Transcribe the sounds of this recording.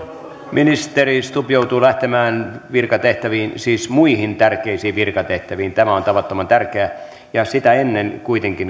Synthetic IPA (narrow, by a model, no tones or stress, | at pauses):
minist̪erist̪upjout̪uːlæht̪emæːnʋirkɑt̪eht̪æʋiːnsiːsmuihint̪ærkeisiːʋʋirkɑt̪eht̪æʋiːnt̪æmæont̪ɑʋɑt̪ːomɑnt̪ærkeæ | jɑsit̪æenːenkuit̪eŋkin